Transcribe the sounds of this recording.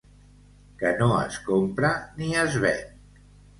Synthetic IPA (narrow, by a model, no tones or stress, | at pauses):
kənoə̰skompɾəniəzβɛ